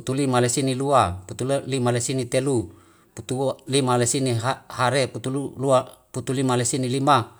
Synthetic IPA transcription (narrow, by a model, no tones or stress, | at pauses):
ut̪ulimalesiniluaput̪ullimalesinit̪elu | put̪ulimalesiniɦahaɾeput̪ululuaput̪ulimalesinilima